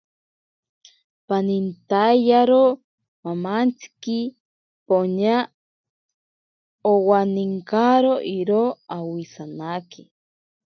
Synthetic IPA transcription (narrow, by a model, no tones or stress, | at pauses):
panint̪ajjaɾo | mamant͡sʰi̥ki | poɲa | owaniŋkaɾoʔiɾoawisanaki